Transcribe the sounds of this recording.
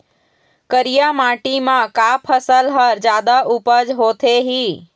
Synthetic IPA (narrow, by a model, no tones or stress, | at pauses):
kəɾijamaʈimãkapʰəsəlɦəɾd͡ʒjaːd̪aʔupəd͡ʒɦot̪ʰeɦiː